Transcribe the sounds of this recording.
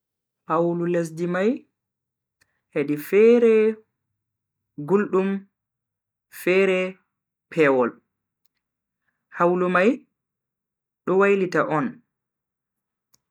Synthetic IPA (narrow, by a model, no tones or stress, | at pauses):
hawlules̬dimaj | heɗifɛɾɛ | ɡulɗum | fɛɾɛ | pʰɛwɔl | hawlumaj | ɗɔwajlitaʔɔn